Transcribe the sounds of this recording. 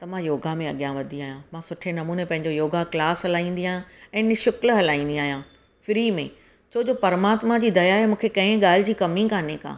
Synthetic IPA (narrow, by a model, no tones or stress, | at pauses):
t̪ɐmãjoːɡamẽɐɠjãʋɐd̪ʱiaːɦjãmãːsʊʈʰenɐmuːnepɐ̃ɦɪ̃ɲd͡ʑojoːɡaklaːsɦɐlaːĩːn̆d̪iaːjãɛ̃ːnɪʃʊklɦɐlaːĩːn̆d̪ĩaːjãː | fɪɾiːmḛ̃ː | t͡ɕʰoːd͡ʑoːpɐɾmaːt̪mad͡ʑiːd̪ɐjaɦemũːkʰekɐ̃ɪ̃ɠaːl̤ɪd͡ʑiːkɐmĩkãːnẽkã̰ː